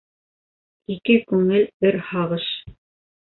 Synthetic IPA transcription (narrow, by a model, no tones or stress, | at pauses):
ikɘkʉŋɘlɵɾhɑʁɤʃ